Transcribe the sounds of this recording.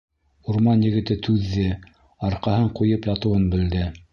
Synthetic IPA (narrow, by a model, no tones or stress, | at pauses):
uɾmɑnjɘ̆ɡɘ̆t̪ɘt̪ʰʉðːɘ | ɑɾqɑhɤɴqujɤpjɑt̪ɤ̆wɤnbɘ̆ld̪ɘ